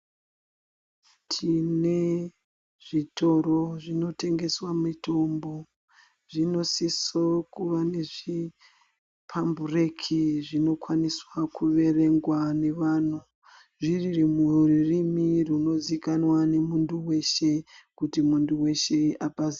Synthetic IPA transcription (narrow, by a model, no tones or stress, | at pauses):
tʰine̞ | ʐ̥itʰo̞ɾo̞ʐino̞te̞ŋɡe̞swamito̞mbo̞ | ʐino̞sisokuʋane̞ʐi | pʰamburekʰiʐino̞kwaniswakuʋe̞re̞ŋɡwane̞ʋaːn̤u | ʐiririmuririmiruno̞zikanwane̞munduwe̞ʃe̞kutimunduwe̞ʃe̞apazi